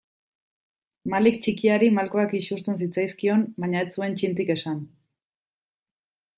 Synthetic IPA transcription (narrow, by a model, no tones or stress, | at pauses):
malikt͡ʃikiaɾimalko̞akisust͡s̪e̞nsit͡sajskio̞nbaɲaet͡sue̞nt͡ʃint̪ike̞san